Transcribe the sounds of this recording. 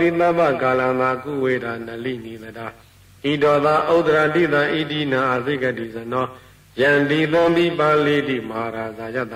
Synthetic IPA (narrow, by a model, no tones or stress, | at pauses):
it̪ãbakalãnd̪akṵwedanəlḭnid̪əda | ʔidɔd̪aʔoʔt̪əɾadḭt̪ãʔidinãʔazeɡɛdizənɔ | jãnd̪it̪ãnd̪ipãledḭmaɾazaja̰t̪ða